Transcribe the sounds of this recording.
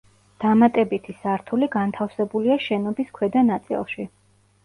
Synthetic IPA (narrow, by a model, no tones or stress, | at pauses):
d̪̥amat̪ʼɛbit̪ʰisaɾt̪ʰuliɡant̪ʰafsɛbuliaʃɛnɔbiskʰwɛd̪anat̪sʼḭlˠʃi